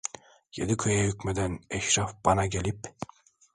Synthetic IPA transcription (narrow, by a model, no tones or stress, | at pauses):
jed̪ikʰɯjajycʲmed̪ænɛʃɾafb̥ɑnɑɡelʲip